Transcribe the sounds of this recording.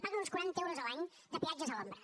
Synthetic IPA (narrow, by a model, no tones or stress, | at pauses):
pakunskwɛnt̪ewɾəzəlaɲ | d̪əpiad͡ʒəzələmbɾə